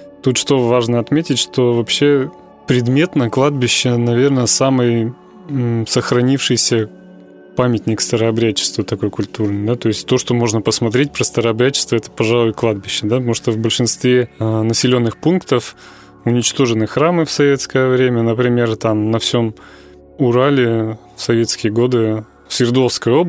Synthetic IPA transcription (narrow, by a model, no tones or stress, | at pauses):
t̪ut̪ʂt̪o̞vaʐnəɐt̪mʲetʲɪtʲʂt̪o̞vɐpɕːe̞ | pɾʲɪd̪mʲe̞t̪nəklˠad̪̚bʲɪɕːənɐvʲe̞rnəsamɨj | səxɾɐnʲifʂɨjsʲə | pamʲɪt̪ʲnʲɪkst̪əɾəɐbɾʲæt͡ɕːɪ̥st̪vət̪ɐko̞jəkʊlʲt̪urnɨjd̪at̪o̞jɪsʲtʲt̪o̞ʂt̪o̞mo̞ʐnəpəsmɐt̪ɾʲet̚ʲpɾəst̪əɾəɐbɾʲæt͡ɕːɪ̥st̪vəɛt̪ə̥pɐʐalˠʊjklˠad̪̚bʲɪɕːɪd̪apt̪muʂt̪ovbəlʲʂɨnst̪vʲenəsʲɪlʲo̞nːɨxpunkt̪əf | ʊnʲɪt͡ɕt̪o̞ʐɨnɨxɾamɨfsɐvʲe̞t̪skəjəvɾʲemʲənəpɾʲɪmʲe̞rt̪amnɐfsʲo̞m | ʊɾalʲɪ | fsɐvʲe̞t̪skʲɪjəɡo̞d̪ɨ | fsʲɪrd̪o̞fskəjo̞b